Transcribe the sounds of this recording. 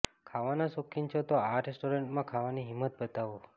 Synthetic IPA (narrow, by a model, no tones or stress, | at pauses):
kʰaʋanasokʰːint͡ʃʰot̪oaɾesʈoɾeɳʈmãkʰaʋaniɦimːət̪̚bət̪aʋo